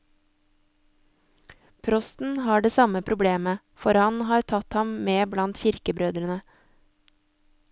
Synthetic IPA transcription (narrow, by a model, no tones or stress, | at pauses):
pʰɾɔst̪n̩hɑːɖeːsɑməpʰɾʊbleːmə | fɔɾhɑnhɑːɾt̪ʰɑt̪hɑmmeːblɑnt̪çɪɾkəbɾøːd̪ɾənə